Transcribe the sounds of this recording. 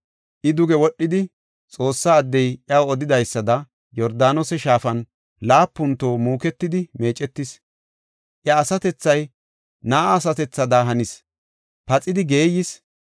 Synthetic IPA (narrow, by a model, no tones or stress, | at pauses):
ʔɪd̪ʊɡɛwɔɗːɪd̪ɪ | t͡sʼo̞ːsːaːd̪ːɛjʔɐwɔd̪ɪd̪ɐjsːɐd̪ɐ | jɔɾd̪aːnosɛʃaːfɐn | laːpːʊnt̪o̞ːmuːkɛt̪ːɪd̪ɪme̞ːt͡ʃʼɛt̪ːɪs | ʔjɐːsɐt̪ɛt͡sːɐj | naːaːs̬ɐt̪ɛt͡sːɐd̪aɦɐnɪs | pɐt͡sʼɪd̪ɪɡe̞ːjɪs